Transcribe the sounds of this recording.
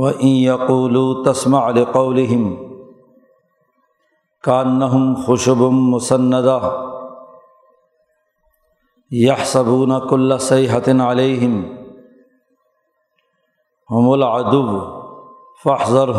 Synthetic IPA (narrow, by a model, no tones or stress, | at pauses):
waʔɪnjɐquːluːt̪asmaʕlɪqɑwlɪɦɪm | kaʔnːaɦʊmxʊʃʊbmʊsanːad̪a | jaħsabuːnakʊlːasajɦat̪ɪnʕaleːɦɪm | hʊmʊlʕad̪ʊb | faħzˤɑɾɦ